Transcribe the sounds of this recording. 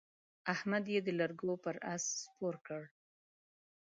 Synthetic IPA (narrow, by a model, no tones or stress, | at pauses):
ahmad̪jed̪əlaɾɡopəɾa̰spoɾkəɽ